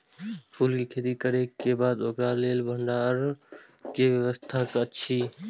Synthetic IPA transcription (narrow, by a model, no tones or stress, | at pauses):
pʰuːlkiːkʰeːd̪iːkəɾeːebaːd̪oːkɾaːleːlbʱəɳɖaɾkeːʋjəʋəst̪ʰaːkətːʃʰiː